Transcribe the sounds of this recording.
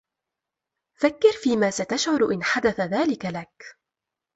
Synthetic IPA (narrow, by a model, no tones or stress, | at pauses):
fakːɪɾfiːmaːsat̪aʃʕʊɾʔɪnħad̪aθaðaːlɪkalak